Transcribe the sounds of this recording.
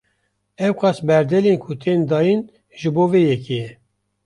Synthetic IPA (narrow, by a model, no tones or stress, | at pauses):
ɛwqɑsbɛɾd̪ɛlenkʰut̪ʰeːnd̪ɑːjin | ʒɨboːveːjɛkejɛ